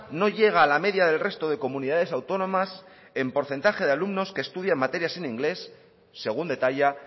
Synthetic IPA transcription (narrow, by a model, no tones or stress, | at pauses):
no̞ʝe̞ɣ̞aːlame̞ðjaðe̞lre̞st̪o̞ð̞e̞ko̞muniðað̞e̞sawt̪o̞nõ̞mas | e̞mpo̞ɾθe̞nt̪axe̞ð̞ealumno̞skeːst̪uð̞jamːat̪e̞ɾjasenĩŋɡle̞sː | e̞ɣ̞und̪e̞t̪aʎa